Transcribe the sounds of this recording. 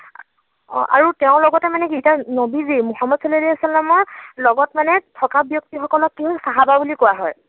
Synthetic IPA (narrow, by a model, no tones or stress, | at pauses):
ʔa̰ɹutɛʊ̃lɔɡɔtɛmanɛkitanobizimuxamːɔdsalediasɔlːamɔɹlɔɡɔtmanɛtʰɔkabjɔk̚tixɔkɔlɔkːiɦɔjsaɦababulikowaɦɔj